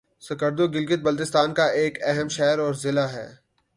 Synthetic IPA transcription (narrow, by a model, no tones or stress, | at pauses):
sɐkəɾd̪oɡɪlɡɪt̪̚bɐlt̪ɪst̪aːnkaeːkɛɦəmʃɛːɾɔːɾzɪlaɦɛ̰ː